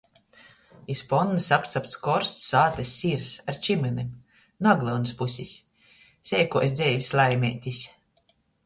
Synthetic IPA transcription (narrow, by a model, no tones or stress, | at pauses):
ispɔnːɨsapt̪sap̚t̪skɔɾst̪sːaːt̪asʲːiɾsaɾt͡ʃimɨnʲim | naɡlˠɔwnɨspusʲisʲː | ɛːkuɔsʲd̪zʲɛjvʲisʲlˠajmʲɛːt̪ʲisʲ